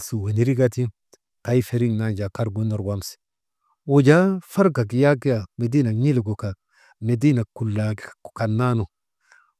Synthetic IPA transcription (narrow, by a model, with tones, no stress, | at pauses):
su˨we˨ni˦ɾi˦ɡa˦ti˦ | ka˦jfe˨ɾi˦ŋna˦nd͡ʒa˨ka˦ɾɡo˦no˨ɾwa˦msi̥˨ | wo˨d͡ʒa˦fa˦ɾɡa˨ɡi˨ja˦ɡi˦ja˨me˨di˦na˨ɲi˦lɡo˨ka˨ | me˨di˦na˨kːu˨lːa˨ɡkka˨nːa˦no˨